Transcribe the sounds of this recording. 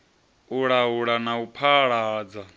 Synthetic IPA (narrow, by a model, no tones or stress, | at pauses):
uɺauɺanaupʰaɺaːd͡za